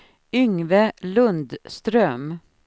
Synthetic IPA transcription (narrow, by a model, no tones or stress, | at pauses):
ʏŋʋəlɵnd̪st̪ɾœm